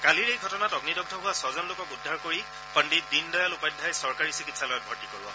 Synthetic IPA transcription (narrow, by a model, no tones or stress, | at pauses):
kaliɹejɡʱɔtɔnatɔɡnidɔɡ̚dʰʱɔbɦʊwasɔzɔnlokɔkudʱːaɹkoɹi | pəndit̚dindɔjalʊpajdʱːajsɔɹkaɹisikitsalɔjɔt̚bʱɔɹtikoɹibɔ̰